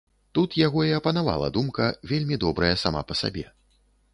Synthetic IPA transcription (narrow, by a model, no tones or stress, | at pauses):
t̪ut̪jaɣɔiɐpɐnava̰lˠɐ̰d̪umkɐvʲelʲmʲid̪ɔbɾɐjɐsama̰pɐsa̰bʲɛ